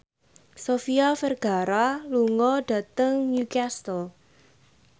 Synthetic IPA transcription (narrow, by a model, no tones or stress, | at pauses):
sofiafɛrɡ̥a̤ɾaluŋɔɖ̥ä̤t̪əŋnukast̪ɔ